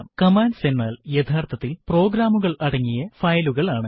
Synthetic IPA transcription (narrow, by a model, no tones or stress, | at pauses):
mkɐmaːnsenːaːljɐt̪ʰaːrt̪ʰɐt̪ːilpro̞ːɡɾaːmuɣɐɭɐɽɐŋːijɐfɐjluɣɐɭaːɳɨ